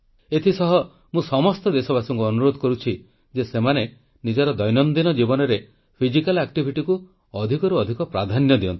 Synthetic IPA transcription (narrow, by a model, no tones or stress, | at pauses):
et̪ʰisɔɦɔ | mũsɔmɔst̪ɔd̪esɔbasɔŋkuɔnuɾod̪ʱɔkɔɾut͡ʃʰi | d͡ʒesemane | nid͡ʒɔɾɔd̪ɔjnɔnd̪inɔd͡ʒibɔnɔɾe | pʰid͡ʒikalakʈibʱiʈiku | ɔd̪ʱikɔɾuɔd̪ʱikɔpɾad̪ʱanjɔd̪iɔ̰nt̪i̥